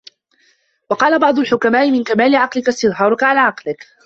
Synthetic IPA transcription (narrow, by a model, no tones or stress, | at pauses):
wɑqɑːlabɑʕd̪ˤʊlħʊkamaːʔɪmɪnkamaːlɪʕɑqlɪkast̪ɪðˤɦɑːɾˤʊkaʕalaːʕɑqlɪk